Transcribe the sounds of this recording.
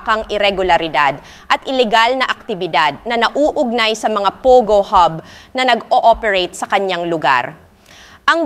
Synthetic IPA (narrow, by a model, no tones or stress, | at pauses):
kɐŋʔɪɾɛɡʊlɐɾɪd̪ad̪ | ʔɐt̪ʔɪlɛɡalnɐʔɐk̚t̪ɪbɪd̪ad̪̚nɐnɐʔuːʔʊɡ̚najsɐmɐŋapoɡohɐb̚nɐnɐɡoʔopɛɹejt̪̚sɐkɐɲːaŋlʊɡa̰ɾ | ʔɐŋ